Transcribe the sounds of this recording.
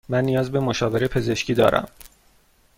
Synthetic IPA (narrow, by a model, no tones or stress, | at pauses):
mænːijɒːzbe̞moʃɒːve̞ɾepʰe̞ze̞ʃcʰiːd̪ɒ̰ːɾæ̰m